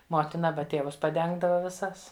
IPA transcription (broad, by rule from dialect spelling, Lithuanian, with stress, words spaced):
ˈmoːtʲɪnɐ ˈɑːbɐ ˈtʲeːʋʊs pɐˈdʲɛŋɡdɐʋɐ ʋʲɪˈsɐs